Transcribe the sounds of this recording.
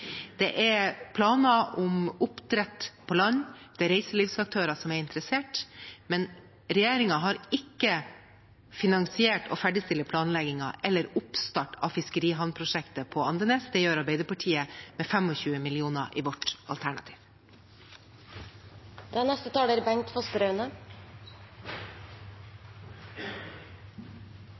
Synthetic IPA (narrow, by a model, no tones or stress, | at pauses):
d̪̥ɛʔɛɾpʰlɑːnɑʔʊmʊpd̪ɾɛt̪pʰɔlɑnd̪̥ɛːɾɛɪsəliːfsɑk̚t̪ʰøːɾɑsɔmæɾɪnt̪əɾəseːʈmɛn | ɾɛjeːɾɪŋɑɦɑɾɪkːə | fɪnɑŋsɪeːʈɔ̰fæɖɪst̪ɪləpʰlɑːnlɛɡɪŋɑʔɛlːəɾʊpst̪ɑʈɑ̰ːfɪskəɾiːɦɑnpʰɾʊʂɛkt̪əpʰɔɑnd̪ənɛːsd̪ɛjøːɾɑɾbeɪd̪əɾpɑʈʰiːəmeːfɛmɔçʉːəmɪlɪuːnɑʔiːʋɔʈɑlt̪ʰæɳɑ̰t̪ʰi̥ːʋ | d̪̥æːnɛst̪ət̪ʰɑːləɾbɛŋt̪fɑst̪əɾœʉnə